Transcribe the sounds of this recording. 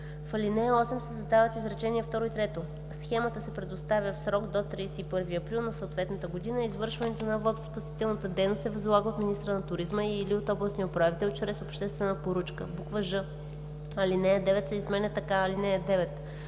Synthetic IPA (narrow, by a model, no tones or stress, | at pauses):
fɐlinɛɔsɛmsɛzɐd̪avət̪izɾɐt͡ʃɛniɛft̪ɔɾoit̪ɾɛt̪o | sxɛmət̪əsɛpɾɛd̪ost̪avʲjəfsɾɔɡd̪ot̪ɾidsɛipɤɾviɐpɾilˠnɐsɐot̪vɛt̪nət̪əɡod̪inəizvɤɾʃvɐnɛt̪onɐvɔd̪o̥spɐsi̥t̪ɛlˠnət̪əd̪ɛjnost̪ɛvɐzvlˠaɡəot̪minist̪ɾənɐt̪ʊɾizməiliot̪ɔblˠɐsniopɾoɛvit̪ɛlt͡ʃɾɛsopʃt̪ɛst̪vɛnəpoɾut͡ʃkəbukvəʒɤ | ɐlinɛɛd̪ɛvɛt̪sɛizmɛnɛt̪ɐkaɐlinɛəd̪ɛvɛt̪